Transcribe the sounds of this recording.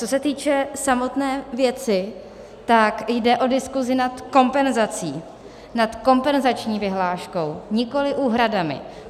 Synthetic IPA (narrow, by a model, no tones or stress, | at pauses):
t͡so̞sɛt̪iːt͡ʃɛsamo̞t̪nɛːvjɛt͡sɪ | t̪akjdɛʔo̞dɪskuzɪnat̪ko̞mpɛnzat͡siː | nat̪ko̞mpɛnzat͡ʃɲiːvɪɦlaːʃko̞wɲɪko̞lɪʔuːɦɾadamɪ̰